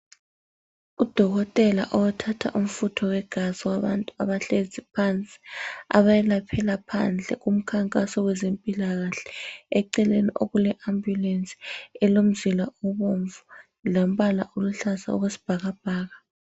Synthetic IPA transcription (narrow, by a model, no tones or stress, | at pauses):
ud̥ʱɔɣɔtʼɛla̰ʔɔwɛtʰatʰa̰ʔum̩futʰɔwɛɡ̥ʱaziwaβantʼuaβaɬezipʰant͡sʼi̥a̰βajɛlapʰɛlapʰand͡ɮʱɛ̰ɣum̩kʰaŋkʼasɔwɛzempʼilaɣaɬɛ̥ɛǀɛleniʔoɣulɛʔambjulent͡sʼi̥ɛlom̩zilaɔβoɱvu | lom̩ɓala̰ʔoluɬaza̰o̰ɣwesi̥b̥ʱaɣab̥ʱaːɣa